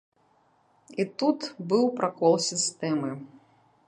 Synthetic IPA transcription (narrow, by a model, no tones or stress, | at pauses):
it̪ut̪bɨwpɾʔakɔlˠsʲist̪ɛmɨ